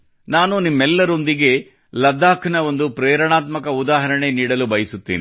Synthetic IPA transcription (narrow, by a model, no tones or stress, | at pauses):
naːnunimːɛlːɐɾo̞nd̪iɡe̞ | lɐd̪ːaːkʰnɐo̞nd̪upɾɛːɾɐɳaːt̪mɐkɐud̪aːɦɐɾɐɳe̞niːɽɐlubɐjisut̪ːḭːni